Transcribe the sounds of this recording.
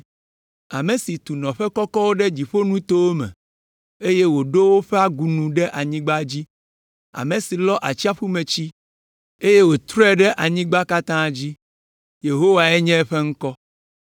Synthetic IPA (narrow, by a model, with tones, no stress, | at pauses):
a˨mẽ˨si˨t̪u˨nɔ̃˨ɸɛ˦kɔ˦kɔ˦wo˦ɖɛ˦d͡ʑi˨ɸo˦nũ˦t̪o˦wo˦mɛ̰̃˨ | e˦je˦wo˨ɖo˦wo˦ɸɛ˦a˦ɡu˨nũ˨ɖɛ˦ʔa˨ɲĩ˦ɡ͡ba˦d͡ʑi˦ | a̰˨mẽ˨si˨lɔ˦ʔa˨t͡ɕi˦a˦ɸu˦mẽ˨t͡ɕi˦ | e˦je˦wo˨t̪ɾɔ˦ɛ˦ɖɛ˦ʔa˨ɲĩ˦ɡ͡ba˦ka˦t̪ã˦d͡ʑi˦ | je˨ɦo˦wa˨ɛ˦ɲɛ̃˦ɸɛ˦ŋ̩˦kɔ˦